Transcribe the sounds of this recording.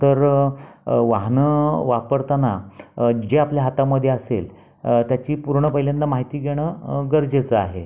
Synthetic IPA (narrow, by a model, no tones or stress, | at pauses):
t̪əɾ | ʋaɦnəʋapəɾt̪ana | d͡ʑeapljaɦat̪aməd̪ʱːjeasḛl | t̪jat͡ɕiːpuɾɳəpəɦilanːamaɦit̪iːɡʱeɽ̃əɡəɾd͡ʑet͡səa̰ɦe